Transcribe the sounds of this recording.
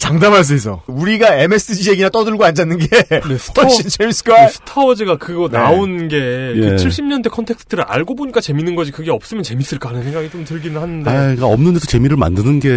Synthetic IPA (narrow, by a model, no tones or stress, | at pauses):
t͡ɕaŋdamɦaɭs̬͈uis͈ʌ̰uɾiɡae̞me̞s͈ɯd͡ʑije̞ɡinat͈ʌdɯɭɡoand͡ʑanːɯnɡenesʰʌit͡ɕʰems͈kʰasʰɯ̥tʰaʌd͡ʑiɡakɯɡʌnaonɡe̞jkɯt͡ɕʰiɭɕ͈imɲʌnde̞kʰʌntʰe̞kstʰɯɾɯɾa̰ɭɡoboɲik͈at͡ɕe̞minɯnɡʌd͡ʑikɯɡe̞ʌp̚s͈ɯmjʌnt͡ɕe̞mis͈ɯɭk͈aɦanɯnsʰe̞ŋɡaɡit͡ɕomtɯɭɡinɯɭhanɯndaɡaʌmnɯndesot͡ɕe̞miɾɯɭma̰ndɯnɯnɡe̞